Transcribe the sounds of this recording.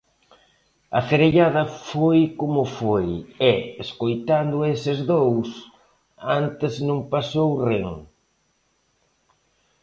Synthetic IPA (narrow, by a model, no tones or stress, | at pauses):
ɐfeɾeʎaðɐfojkomʊfojɛeskojt̪and̪ʊesɪzðows | ant̪ɪznõŋpasowreŋ